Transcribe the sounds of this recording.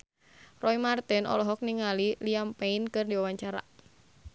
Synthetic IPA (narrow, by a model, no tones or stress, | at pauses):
rɔimart̪ɛnɔ̰lɔɦɔk̚niŋaliliampɛinkɨrdiwawaɲt͡ʃaɾa̰